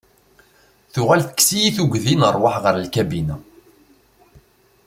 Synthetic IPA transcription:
θʊʁælθə̥ksijiθuɡðinəɾˤwaħʁəɾlkæbinæ

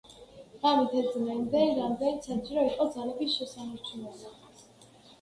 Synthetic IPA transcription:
amit̪ʰɛd̪zmɛnd̪ɛɾamd̪ɛnit̪sat͡ʃiɾɔiqʼɔd̪zalɛbisʃɛsanaɾt͡ʃʰunɛla

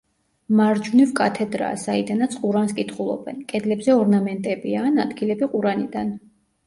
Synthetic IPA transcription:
maɾd͡ʒunivkʼat̪ʰɛd̪ɾa̰said̪anat̪sʰqʼuɾanskʼit̪ʰχulˠɔ̰bɛ̰nkʼɛd̪lɛbzɛɔɾnamɛnt̪ʼɛbianad̪ɡilɛbiqʼuɾanid̪an

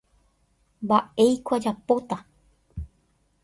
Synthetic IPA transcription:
mbae̞jkʷad͡ʒapot̪a

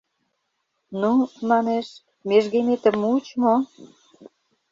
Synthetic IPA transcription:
numɑneʃ | meʒɣemet̪ə̆mut͡ɕmo

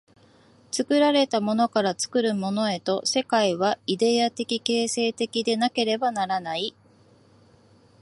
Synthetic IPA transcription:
t͡sɨkɯ̟ɾaɾe̞t̪amo̞no̞kaɾat͡sɨ̥kɯ̟ɾɯ̟mo̞no̞e̞t̪o̞se̞kaiβ̞aid̪e̞at̪e̞kʲike̞ːse̞ːt̪e̞kʲid̪e̞nake̞ɾe̞banaɾanai

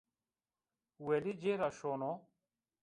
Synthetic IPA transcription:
welid͡ʑeɾaɕoːno

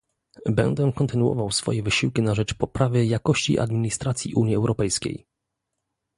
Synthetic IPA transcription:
bɛ̰nd̪ɛkɔnt̪ɘnuɔ̰vawsfɔ̰jɛvɘɕiwkʲinaʐɛt͡ʂpɔpɾavɘjakɔɕt͡ɕḭʔa̰d̪mʲiɲist̪ɾat̪sʲjḭʔuɲjiɛwɾɔpɛjskʲḛj

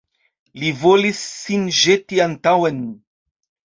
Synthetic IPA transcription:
livolisːinʒet̪iant̪awen

